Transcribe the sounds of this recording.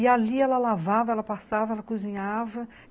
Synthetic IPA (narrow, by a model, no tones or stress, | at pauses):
ɪaliɛlɐlavavɐɛlɐpasavɐɛlɐkuzĩɲavɐ